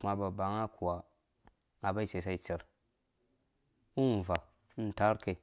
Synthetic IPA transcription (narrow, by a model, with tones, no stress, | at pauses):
ma˨ba˨ba˨ŋa˦kʰu˨wa˨ | a˨ba˦i˦˨se˨s̬a˦i˨t͡si˨ɾ | u˦n˨va˨˦ | n˨ta˦ɾke˨